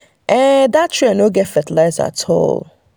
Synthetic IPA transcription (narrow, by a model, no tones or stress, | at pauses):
ʔɛ̃datʰɹ̥uanoɡɛtfɛtəlaɪza̰tʰɔ̰lˠ